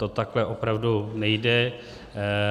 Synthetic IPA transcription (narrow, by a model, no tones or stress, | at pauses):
t̪ot̪aklɛʔopɾavdunɛjdɛ